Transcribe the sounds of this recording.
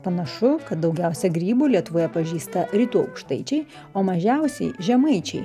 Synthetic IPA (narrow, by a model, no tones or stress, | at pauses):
pɐnɐʃʊkɐt̪̚d̪ɐʊɡʲɛʊsʲɛɡɾʲiːbuːlʲiɛt̪ʊʋoːjɛpɐʒʲiːst̪ɐɾʲɪt̪uːɐʊkʃt̪ɐɪt͡ʃʲɛɪ | oːmɐʒʲɛʊsʲɛ̰ɪʒʲɛmɐɪt͡ʃʲɛɪ